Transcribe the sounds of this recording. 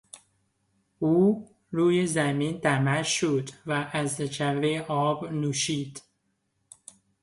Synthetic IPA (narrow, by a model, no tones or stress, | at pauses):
uː | ɾuːjezæmiːnt̪æmæʃod̪væʔæzd͡ʒæɾɾeʔɒːbnuːʃiːd̪̥